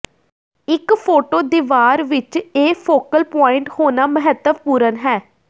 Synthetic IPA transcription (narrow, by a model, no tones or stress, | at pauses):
ɪkpʰoːʈoːd̪ɪʋaːɾʋɪt͡ʃeːpʰoːkəlpɔːɪɳʈhoːnaːməɦət̪ːəpuːɾənɦɛː